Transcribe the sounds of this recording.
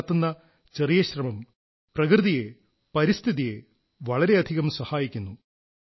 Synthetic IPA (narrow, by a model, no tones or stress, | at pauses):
t̪ːunːɐ | t͡ɕerijɐɕrɐmɐm | prɐkrɨðije | pɐɾist̪ʰiðije | ʋɐɭɐɾe̞ɐd̪ʱiɣɐmsɐhaːjikʲːunːu